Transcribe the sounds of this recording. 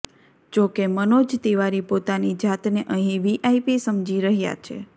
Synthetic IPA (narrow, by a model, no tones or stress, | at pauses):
d͡ʒokemənod͡ʒt̪iʋaɾipot̪anid͡ʒat̪neʔəɦĩʋiʔaipisəmd͡ʒiɾəɦja̰t͡ʃʰḛ